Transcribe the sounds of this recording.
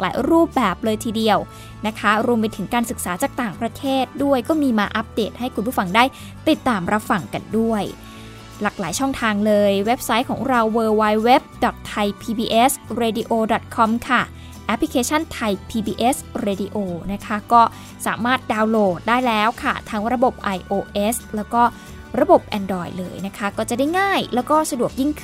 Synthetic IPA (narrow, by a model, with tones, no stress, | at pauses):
kla̰ː˨˦jɾuː˥˩p̚bɛː˨˩p̚lɤː˧jt̪ʰiː˧di˧əw | na˦˥kʰa˦˥ɾu˧əmp̬a˧jt̪ʰɯ˩˦ŋkaː˧nsɯ˨˩k̚saː˩˦t͡ɕaː˨˩k̚t̪aː˨˩ŋpɾa˧t̪ʰeː˥˩t̪̚du˥˩əjkɔː˥˩miː˧maː˧ʔa˦˥p̚deː˨˩t̪̚ha˥˩jkʰu˧npʰuː˥˩fa˧ŋdaː˥˩j | p̪i˨˩t̪ːaː˧mɾʔa˦˥p̚fa˧ŋka̰˧ndu˥˩əj | laː˨˩k̚laː˩˦jt͡ɕʰɔ˥˩ŋt̪ʰaː˧ŋlɤː˧jwe˦˥p̚sa˦˥jkʰɔː˩˦ŋɾa˧wːɤː˧wa˧jwe˦˥p̚dɔ˨˩t̪ʰːa˧jpʰiː˧biː˧ʔe˦˥sɾeː˧di˧ʔoː˧dɔ˨˩t̪̚kʰɔ˧mkʰa˥˩ | ʔɛ˦˥pʰli˦˥kʰeː˧t͡ɕʰa˥˩nt̪ʰa˧jpʰiː˧biː˧ʔe˦˥sɾeː˧di˧ʔoː˧na˦˥kʰa˦˥kɔː˥˩ | sa̰ː˨˩˦maː˥˩t̪̚daː˧wloː˨˩t̪̚daː˥˩jlɛː˦˥wkʰa˥˩t̪ʰaː˦˥ŋɾa˧bo˨˩p̚ʔa˧jʔoː˧ʔe˦˥slɛː˦˥wkɔː˥˩ | ɾa˧bo˨˩p̚ʔɛ˧ndɔː˧˩jlɤ̰ː˧jna˦˥kʰa˦˥kɔː˥˩t͡ɕa˨˩da˥˩jŋaː˥˩jlɛː˦˥wkɔː˥˩sa˧du˨˩ək̚ji˥˩ŋkʰɯ˥˩